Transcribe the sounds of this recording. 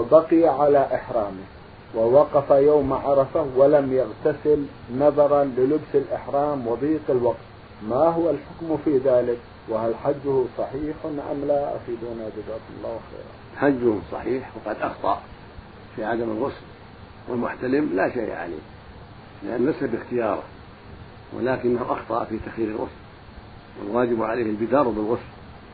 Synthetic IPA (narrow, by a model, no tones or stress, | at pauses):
bɑqɪjaʕalaʔɪħɾˤɑːmɪ | wɪwɑqɑfajaːmʕɑɾˤɑfawalamjaɣt̪asɪl | nɑðˤɑɾˤɑlɪlʊbsɪlʔɪħɾɑːmwɑðˤiːqɪlwɑqt̪ | maɦʊwalħʊkmfiːðaːlɪk | wɪhalħad͡ʒːʊhʊsˤɑħiːħʔɪnːʔa̰mlaʔa̰fiːd̪uːnad͡ʒʊzaːkʊmʊlˤːaːwaxḛːɾˤɑ̰ | ħad͡ʒːʊhʊmsˤɑ̰ħiːħwɪqɑd̪ʔɑxt̪ˤɑ̰ʔ | fiʕad̪amɪlɣʊsl | wɪ̰lmʊ̰ħt̪alɪmlaʃa̰ːʕa̰lḭ | lɪʔanːlasabɪxt̪ɪjɑːɾˤɑ̰ | wʔɪ̰laːkɪnːahuʔɑxt̪ˤɑ̰ʔfit̪axjiːɾɪlɣʊ̰sl | wɪ̰lwaːd͡ʒɪbʕaleːhɪlbɪd̪ɑːɾˤbɪlɣʊsl